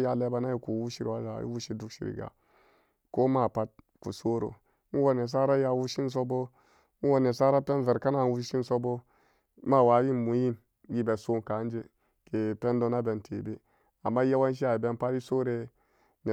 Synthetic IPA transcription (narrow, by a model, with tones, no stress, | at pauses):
ja˨le˦ba˨na˦ji˨ku˨wu˦ʃi˦ɾwa˦za̰˨jḭ˦wu˦ʃi˦du˦ʃḭ˨ɾḭ˨ɡa̰˨ | ko˦ma˦˨pa˦t̚ku˨so˦ɾo̰˨˦ | n̩˦wo˦ne˨s̬a˦ɾa˦ja˦wu˦ʃi˦n˦s̬o˦bo˦ | n̩˦wo˦ne˨sa˦ɾa˦pɛ˦n˦vɛ˨ɾka˦na˦˨nwu˦ʃi˦n˦so˦bo˦ | ma˦˨wa˨˦ji˦mu˨˦ji˦n | ɡi˦be˨so˦ŋ˨ka˨˦n˦d͡ʒe˦ | ke˨pe˦n˦do˦na˦bɛ˨ntʰe˨be˦ | a˨mːa˦ja˦wa˦n˦ʃ̬i˦a˨i˨bɛ˦n˦pa˦ti˦so˦ɾe˦ | ne˨